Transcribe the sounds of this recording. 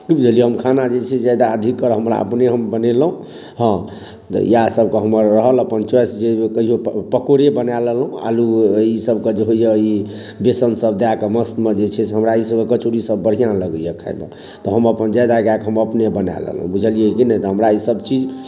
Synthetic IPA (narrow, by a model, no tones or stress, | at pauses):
kibud͡ʒʱəlijɛɦəmkʰanad͡ʒet͡ʃʰɛd͡ʒajd̪aəd̪ʱikːəɾɦəmɾa̰ə̰pneɦəmbənelɦũ | ɦə̃ | t̪ɔ̰j̰jasəbkeɦəməɾːəɦələpənt͡ʃwɛsd͡ʒekəɦiɦopəkoɾebənaləlɦũa̰luisəbked͡ʒeɦoijəi | besənsəb̚d̪eakeməst̪med͡ʒet͡ʃʰɛseɦəmɾaisəbekət͡ʃoɾisəbːəɽ̤ijãləɡəjəkʰa̰jba̰ | t̪ɔɦəməpənd͡ʒajd̪aɡakɦəməpnebəna̰lə̰lɦũbud͡ʒʱəlijekinəjt̪ɔɦəmɾaisəbt͡ʃid͡ʒ